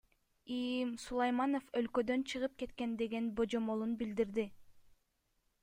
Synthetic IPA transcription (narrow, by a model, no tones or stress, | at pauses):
imsulˠɑjmɑno̞fø̞lkø̞d̪ø̞nt͡ʃʰɯʁɯp̚ke̞t̪ke̞nd̪e̞ɡe̞nbo̞d͡ʒo̞mo̞lˠunbild̪iɾd̪i